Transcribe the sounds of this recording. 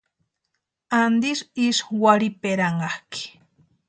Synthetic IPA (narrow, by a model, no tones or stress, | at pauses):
and̪iʃiʃwaɾipeɾaɴɢɑhki̥